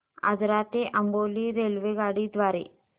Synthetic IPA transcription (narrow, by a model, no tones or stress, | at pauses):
a̰d͡zɾat̪eʔəmboliɾelʋeɡaɽid̪ʋaɾḛ